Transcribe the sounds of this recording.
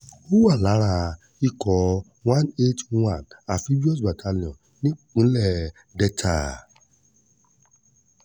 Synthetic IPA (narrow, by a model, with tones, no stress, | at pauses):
o˦wu˦a˦˨la˨˦ɾ̃a˦˧˨ | i˦˨kɔ˨ | w̃ã˦ne˦twã˨na˨fi˦bi˦ɔ˦s̬ba˨tʰa˧lĩ˨ɔ̃˨ | nĩ˦k͡pũ˨˦lɛ˦˨ | dɛ˦tʰa˨